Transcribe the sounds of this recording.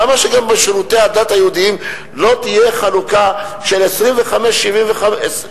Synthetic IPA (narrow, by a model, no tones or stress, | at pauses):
amaʃeɡambeʃeʁut̪e̞ad̪at̪ajeud̪iim | lo̞t̪ije̞χaluka | ʃe̞lesʁimveχameʃːivimveχas